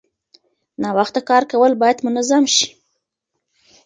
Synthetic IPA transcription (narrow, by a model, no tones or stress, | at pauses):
nɑwaxt̪akɑɾkawəlbɑjad̪mʊnazamʃi̥